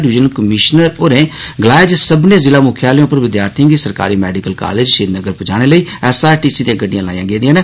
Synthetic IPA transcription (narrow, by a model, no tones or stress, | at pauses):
ɖɪʋɪd͡ʒənkəmɪʃnəɾoːɾẽːɡəlaːed͡ʒsəbneːzɪlãːmʊkʰjaːlẽʊpəɾʋɪd̪jaːɾt̪ʰĩːɡisəɾka̰ːɾiːmɛːɖɪkəlka̰ːleːd͡ʒʃɪːd̪nəɡəɾpəd͡ʒaːɽ̃eːləiːɛːsaːʈiːsiːd̪iãːɡəɖɪjãːlaːjãːɡeːd̪ijãːnẽː